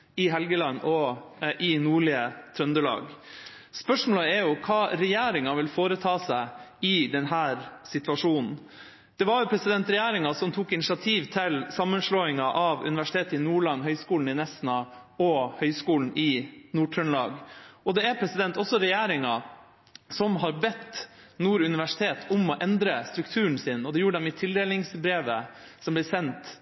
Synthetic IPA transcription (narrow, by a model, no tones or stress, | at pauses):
ɪɦɛlɡəlɑnːɔʔɪnuːɭɪət̪ʰɾœnd̪əlɑ̰ːɡ | spœʂmoːləɛɾjʊkʰɑːɾɛjæːɾɪŋɑʋɪlfoːɾət̪ʰɑːsæɪɪd̪ɛnɦæːɾsɪt̪ʋɑʂuːnn̩ | d̪̥ɛʋɑɾjʊpʰɾɛsɪd̪ɛnt̪ɾɛjæːɾɪŋɑsɔmt̪ʰuːkɪnɪʃɑt̪ʰiːʋt̪ʰɪlsɑmːənʂɭoːɪŋɑʔɑʋʉ̰nɪʋæʂɪt̪ʰeːt̪əɪnuːɭɑnːɦœʏskuːln̩ɪnɛsnɑ | ɔhœʏskuːln̩ʔɪnuːʈʰœɳlɑːɡɔd̪ɛæɾpʰɾɛsɪd̪ɛnt̪ɔsːɔɾɛjeːɾɪŋɑ | sɔmɦɑɾbɛt̪nuːɾʉnɪʋæʂɪ̥t̪ʰeːt̪ʰʊmɔʔɛnd̪ɾəst̪ɾʉkt̪ʰʉːɳ̩sɪnɔd̪ɛjuːɾəɖ̪ɛmɪt̪ʰɪld̪eːlɪŋsbɾeːʋə | sɔmblɛsɛnt̪